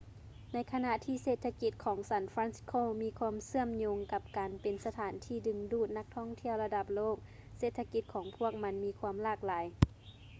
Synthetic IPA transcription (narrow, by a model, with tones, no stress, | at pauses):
na˧˥jkʰa˧na˧ʔt̪ʰiː˧˩seː˧˩t̪ʰa˧ki˧˥t̪̚kʰɔː˨˩˦ŋsa˧˩nfɾaː˧˥nskʰoː˧˨miː˧˥kʰu˧əmsɯ˧˥˩əmɲo˧ŋka˧p̚kaː˨˩npe˨˩nsa˧t̪ʰaː˨˩˦nt̪ʰiː˧˩dɯ˨˩ŋduː˧˩t̪̚na˧˥k̚t̪ʰɔ˥˩ŋt̪ʰi˧˩əwla˧da˧˩p̚loː˥˩k̚ | seː˧˩t̪ʰa˧ki˧t̪̚kʰɔː˨˩˦ŋpʰu˧˥˩ək̚ma˧˥nmiː˧˥kʰu˧əmlaː˧˩k̚laː˨˦j